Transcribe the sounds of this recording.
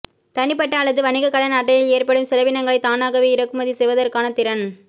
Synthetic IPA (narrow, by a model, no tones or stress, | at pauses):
t̪ɐɳɪpːɐʈːɐːɭːɐðɯʋɐɳɪɣɐkːɐɭɐnaːʈ̬ːɐjɪleːrpɐɽɯmsɪlɐʋɪnɐŋɡɐɭɐɪt̪aːnaːɣɐʋiɪɾɐkːɯmɐðisɛjʋɐðɐrkaːnɐt̪ɪɾɐn